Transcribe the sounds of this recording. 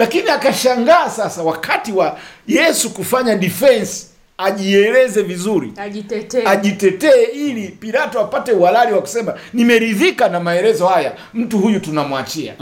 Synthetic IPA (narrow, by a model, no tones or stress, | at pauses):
lakiniakaʃaŋɡaːsasawakatiwajɛsukufaɲaɗifɛnsi̥ | aʄiɛlɛzɛvizuɾḭ | aʄitɛtɛːilipiɾatɔapatɛuhalaɾiwaku̥sɛmanimɛɾiðikanamaɛɾɛzɔhaja | m̩tuhujutunamuwat͡ʃia̰